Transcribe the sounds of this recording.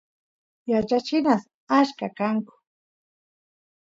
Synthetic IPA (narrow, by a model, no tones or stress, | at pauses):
jat͡ʃat͡ʃɪnas | aʃkakaŋkʊ̥